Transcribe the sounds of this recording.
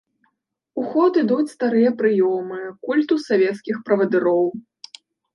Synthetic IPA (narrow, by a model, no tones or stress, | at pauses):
uxɔt̪ɨd̪ut͡sʲst̪aɾɨjɐpɾɨjɔmɨkulʲt̪usavʲɛt̪skʲixpɾɐvɐd̪ɨɾɔw